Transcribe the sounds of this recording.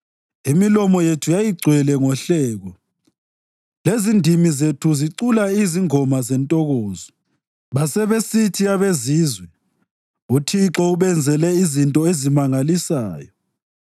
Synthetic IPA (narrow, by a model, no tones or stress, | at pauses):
imilɔmɔjetʰujajiɡ͡ǀʱwɛlɛŋɔɬɛːɣɔ | lezindʱimizetʰuziǀulaiziŋɔmazɛntʼɔɣɔːzɔ | βasɛβesitʰijaβeziːzwɛ | utʰiǁɔuβɛnd͡zʱɛlɛizintʼɔezimaŋalisaːjɔ